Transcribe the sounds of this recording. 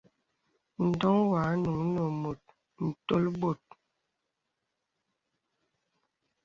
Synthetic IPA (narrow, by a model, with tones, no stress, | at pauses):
n̩˨dɔ˦ŋwa˨˦nu˨ŋ˦no˨mo˨t̚ | n̩˨to˦lbo˨t̚